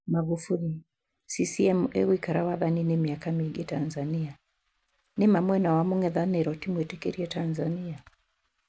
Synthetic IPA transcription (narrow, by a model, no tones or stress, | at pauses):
maɣufuli | sisiɛmuʔɛ̰wikaɾawaðaninemiakamiɡetanzania | nemamwɛnawamuŋɛðanɛɾɔtimwetɛkḛɾiɛtanzania